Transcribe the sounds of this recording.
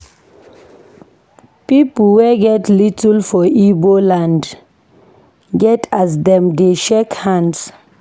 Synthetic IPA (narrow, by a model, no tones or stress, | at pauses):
pipl̩wɛɡɛtlitəlfɔibolãnd | ɡɛtʰas̬dɛ̃mdeʃekhãnds